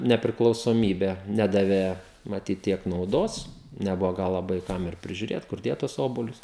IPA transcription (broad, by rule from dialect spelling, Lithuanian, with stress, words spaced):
nʲɛpʲrʲɪklˠɐʊsoːˈmʲiːbʲæː ˈnʲæːdɐʋʲeː mɐˈtʲiːt ˈtʲiɛk nɐʊˈdoːs nʲɛˈbʊʋoː ˈɡɐlˠ lˠɐˈbɐɪ ˈkɐm ɪr pʲrʲɪʒʲʊˈrʲeːt kʊr ˈdʲeːt tʊs ˈoːbuɔlʲʊs